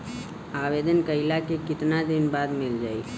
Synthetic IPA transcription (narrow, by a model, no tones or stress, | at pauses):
aːʋeːd̪ənkəɪlakekɪt̪nad̪ɪnbaːd̪mɪld͡ʒaːiː